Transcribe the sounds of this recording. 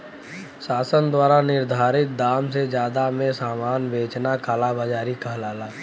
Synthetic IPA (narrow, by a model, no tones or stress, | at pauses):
saːsənd̪waːɾanɪɾd̪ʱaːɾɪt̪̚d̪aːmsed͡ʒjaːd̪amẽsaːmaːnbeːt͡ʃnakʰaːlabad͡ʒaːɾikəɦlaːlaː